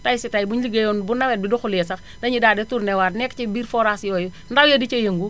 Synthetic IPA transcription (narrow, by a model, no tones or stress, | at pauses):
tajsitajbuɲliɡejɔnbunɐwɛt̚biduxulɛsɐx | dɐɲidaːdɛtuɾnɛwaːtnɛkːt͡ʃibiːɾfɔɾasjɔːju | ndawjɐdit͡ʃɐjɐŋɡu